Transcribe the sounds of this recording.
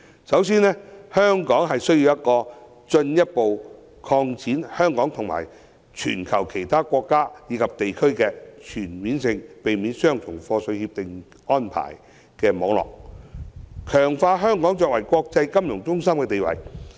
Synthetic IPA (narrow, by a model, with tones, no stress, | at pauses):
sɐ˨˥wsiː˥nɛː˥hœː˥ŋkɔː˨˥ŋɦɐ˨jsɵ˥ɥjiː˧wjɐ˥t̚kɔː˧ | t͡ʃɵ˧njɐ˥t̚po˨w | kʰɔː˧ŋt͡sʰiː˨˥nhœː˥ŋkɔː˨˥ŋt̪ʰʊ˨˩ŋma̰ː˨˩j | t͡ʃʰy̰ː˨˩nkʰɐ˨˩wkʰe˨˩jt̪ʰaː˥kʷɔː˧kːaː˥jiː˨˧kʰɐ˨p̚t̪e˨jkʰɵ˥ɥkɛː˧t͡ʃʰyː˨˩nmiː˨˥nsɪ˧ŋpe˨jmiː˨˥nsœː˥ŋt͡sʰʊ˨˩ŋfɔː˧sɵ˧ɥhiː˧p̚t̪ɪ˨ŋ | ɔː˥npʰa̰ː˨˩j | kɛː˧mɔː˨˧˥ŋlɔ̰ː˨k̚ | kʰœː˨˩ŋfaː˧ɦœː˥ŋkɔː˨˥ŋt͡ʃɔː˧k̚wɐ˨˩jkʷɔː˧k̚t͡sɐ˧jkɐ˥mjʊ˨˩ŋt͡sʊ˥ŋsɐ˥mkɛː˧t̪e˨jwɐ̰˨˩j